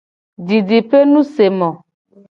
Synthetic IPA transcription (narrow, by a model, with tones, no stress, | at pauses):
di˨ɖi˨pe˦nũ˦se˨mɔ̃˨